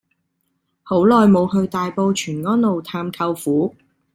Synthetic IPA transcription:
ho˨˥wlɔː˨jmo˨˧whɵ˧ɥt̪aː˨jpo˧wt͡ʃʰyː˨˩nŋɔː˥nlo˨wt̪ʰaː˧mkʰɐ˧wfuː˨˥

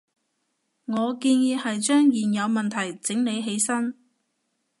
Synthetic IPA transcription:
ŋɔː˨˧kiː˧njiː˨˧hɐ˨jt͡ʃœː˥ŋjiː˨njɐ˨˧wmɐ˨nt̪ʰɐ˨˩jt͡sɪ˨˥ŋne˨˧jɦe˨˥jsɐ˥n

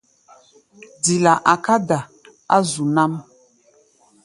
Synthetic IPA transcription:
d͡zi˨la˨ʔa˨ka˦da˨ | a˦zu˨na˦m

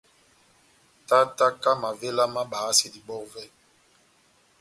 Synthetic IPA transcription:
ta˦ta˦ka˦ma˨ve˦la˦ma˦ɓaː˨˦se˨di˨ɓɔ˦kvɛ˦

